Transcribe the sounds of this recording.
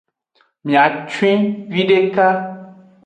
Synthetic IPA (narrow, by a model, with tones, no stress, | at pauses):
mĩ˨a˨t͡ʃwĩ˦vi˦ɖe˦ka˦